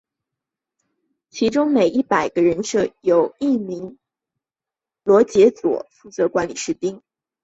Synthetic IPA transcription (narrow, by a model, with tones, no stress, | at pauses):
t͡ɕʰi˧˥ʈ͡ʂʊ˥ŋme˨˩ɪʔi˥˩pa˨˩ɪɡ̥ə˦ɻə˧˥nʂɤ˥˩jo˨˩ʊi˥˩mi˧˥ŋ | lwɔ˧˥t͡ɕjɛ˧˥t͡swɔ̰˨˩˦fu˥˩t͡sɤ˧˥kwa˧˥nli˨˩ʂɻ̩˥˩t̪i˥ŋ